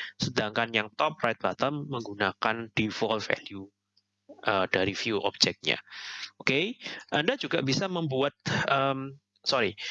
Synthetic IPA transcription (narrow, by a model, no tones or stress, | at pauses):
sədaŋkanjaŋt̪ɔp̚rajt̪̚bat̪əmːəŋɡunakand̥ifɔlfɛ̰lju | ʔəd̥aɾifijuʔɔ̰b̚d͡ʒɛk̚t̪̚ɲa̰okeʔandad͡ʒuɡabisaməmbuat̪̚əːm | sɔɾi